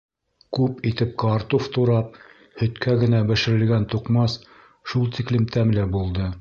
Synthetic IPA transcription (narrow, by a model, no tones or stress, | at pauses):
kʉpit̪ɘp̚kɑɾt̪uft̪uɾɑp̚ | hɵ̆t̪kæɡɘ̆næbɘ̆ʃɘ̆ɾɘ̆lɡænt̪uqmɑs | ʃulˠt̪iklɘmt̪ʰæmlɘbulˠd̪ɤ